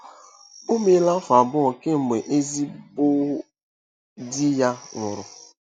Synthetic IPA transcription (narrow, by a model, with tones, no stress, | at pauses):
o˦me˦la˦fa˨bʊ˦ɔ˨ke˦m̩˨me˨ʔe˦zi˦bʊ˦ | dɪ˦ja˦ŋʷʊ˨ɾʊ˨